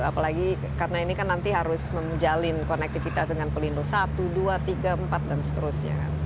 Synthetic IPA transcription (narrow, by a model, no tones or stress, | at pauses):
apalaɡi | karənainikanːant̪iɦaɾʊsməmd͡ʒalɪnkonɛk̚t̪ifit̪asdəŋanpəlindosat̪uduat̪iɡaəmpat̪̚dansə̥t̪əɾʊsɲa̰ka̰n